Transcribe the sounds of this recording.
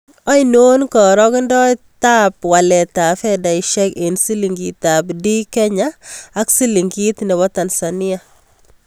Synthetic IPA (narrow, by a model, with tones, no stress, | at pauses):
ɔ˦jno˦nkɔ˨ɾɔ˦kɪ˦ndɔ˦ta˦pwa˨lɛ˨ta˨fɛ˦da˨iʃɛ˦kensi˦li˨ŋɡi˨tapdi˦kɛ˦ɲaː˦ksi˦li˨ŋɡi˦t̪nɛ˨bɔ˦ta˨nsanɪ˦a